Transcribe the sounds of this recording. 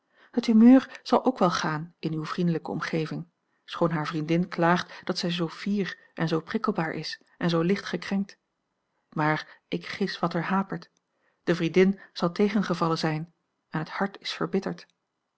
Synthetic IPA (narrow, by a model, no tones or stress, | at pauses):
hətymøːɹz̥ɑlˠʔowkʋɛlˠχaːnɪnywvrindələkəɔ̰mχejvɪŋ | sχownɦaːɹvrindɪnklaːχtd̥ɑtsɛjzowv̥iːɹ | ʔɛnzowprɪkəl̩ˠbaːɹʔɪ̰s | ʔɛnzowlɪχtχəkrɛŋk̚t | maːɹʔɪkχɪsʋɑtəɹɦaːpəɹt | d̥əvrindɪnz̥ɑlˠtejχənχəvɑlənzɛjn | ɛnɦəthɑɹtɪsfəɹbɪtəɹt